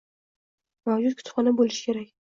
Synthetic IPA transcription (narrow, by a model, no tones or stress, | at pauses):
mawd͡ʒʊd̪kʲʰʊ̥t̪χɒnabolɪʃɪ̥kʲʰe̞ɾakʲ